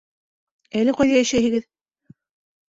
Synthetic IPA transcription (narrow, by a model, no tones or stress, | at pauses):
ælɘqɑjðɑjæʃæjhɘ̆ɡɘð